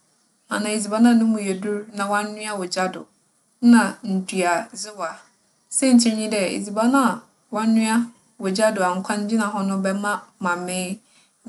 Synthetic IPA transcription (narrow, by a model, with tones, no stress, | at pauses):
ã̰˨nã˨i˨zi˨ba˨˦nã˦˨nʊ̃˦mũ˨jɛ˨du˦ɾnã˨wɔ̃˦n̩ː˦ʊ̃˦a˦wɔ˨d͡ʑa˦dʊ̰˨˦ | nã˨n̩˨dʰu˨a˨zɪ˦wa˨ | sɛ˦˨ɲ̩˨t͡ɕʰɛ̃˦ɲĩ˦dɛ˦ḭ˨zi˨ba˦nã˦˨ | wɔ̃˦nː˦ʊ̃˦a˦ | wɔ˨d͡ʑa˦dʊ˨a˨ŋ̩˨kʷʰã˦ɲ˦d͡ʑɪ̃˦nã˨ɦɔ˦nʊ̃˦bɛ˦mã˦mã˨mɪ̃˦